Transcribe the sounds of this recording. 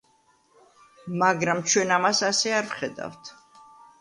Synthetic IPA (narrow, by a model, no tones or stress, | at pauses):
maɡɾamt͡ʃʰwɛnamasasɛaɾvχɛd̪a̰ft̪ʰ